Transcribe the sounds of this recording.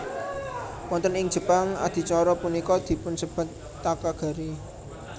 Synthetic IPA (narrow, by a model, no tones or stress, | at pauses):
wɔnt̪ənɪŋ̥ʒ̥ə̤paŋa̰d̪̥i̤t͡ʃɔɾɔpunikɔd̪̥i̤pʊnsəb̥a̤t̪ːakaɡ̥a̤ɾi